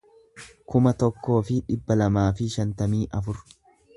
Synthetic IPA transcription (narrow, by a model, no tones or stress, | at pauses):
kʊmɐt̪ɔkːo̞ːfɪᶑɪbːɐlɐmaːfɪʃɐnt̪ɐmiːʔɐfʊɾ